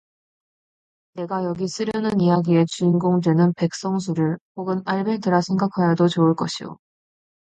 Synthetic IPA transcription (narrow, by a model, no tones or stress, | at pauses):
ne̞ɡajʌɡis͈ɯɾjʌnɯnijaɡie̞t͡ɕunɡoŋdwe̞nɯnpe̞k̚s͈ʌŋsʰuɾɯɭɸoɡɯnaɭbe̞tɯɾasʰe̞ŋɡakʰajadot͡ɕoɯɭk͈ʌɕʰijo̰